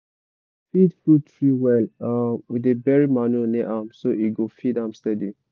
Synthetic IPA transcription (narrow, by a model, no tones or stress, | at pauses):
fidfutʰɹiwɛlamwidebɛɹimanuneʔamsoiɡofidãmstɛdi